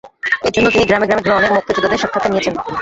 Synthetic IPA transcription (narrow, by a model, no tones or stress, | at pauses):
eɾd͡ʑonːot̪iniɡɾameɡɾameɡɾooneɾmok̚t̪od͡ʑod̪ːad̪eɾʃɔkʰːat̪oniet͡ɕʰen